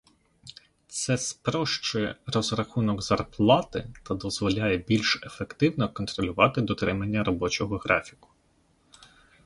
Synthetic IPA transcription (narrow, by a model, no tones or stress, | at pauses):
t̪sɛspɾɔʃt͡ʃɔjrɔzɾɐxunɔɡzɐrplˠɑt̪ɪ̰t̪ɐd̪ɔzʋɔlʲajɛbʲilʲʃe̞fekt̪ɪwnɔkɔnt̪ɾɔlʲʊʋɑt̪ɪd̪ɔt̪ɾɪmɐnʲːɐɾɔbɔt͡ʃɔɦɔɦɾɑfʲi̥kʊ̥